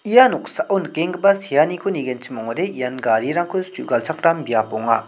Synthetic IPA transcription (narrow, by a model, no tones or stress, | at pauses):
ijanoksaʔonkeŋɡəpasijanikʰoniɡent͡ɕʰimoŋɾejanɡaɾiɾaŋkʰostṵʔɡalt͡sʰakrambiapoŋa̰